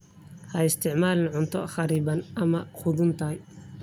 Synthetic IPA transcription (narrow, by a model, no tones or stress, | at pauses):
hɐɪst̪ʰɪʕmaːlɪnʕʊnt̪ʰɔ̰χɑɾiːbɐnɐmɐχʊðʊnt̪ʰɐj